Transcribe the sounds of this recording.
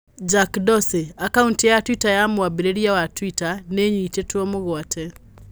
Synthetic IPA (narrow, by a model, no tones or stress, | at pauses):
d͡ʒakdɔseakauntijatwitajamwabiɾeɾjawatwitaneɲit͡ʃetwɔmʊɣwatʰɛ